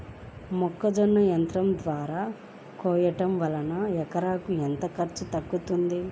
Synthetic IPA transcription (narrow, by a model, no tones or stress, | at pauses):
mɔkːɐd͡ʒɐnːɐjɐnt̪ɾɐmd̪ʋaːɾaː | kɔːjɐʈɐmʋɐlɐnɐɛkɐɾaːkuent̪ɐkɐɾt͡ʃut̪ɐkːut̪und̪i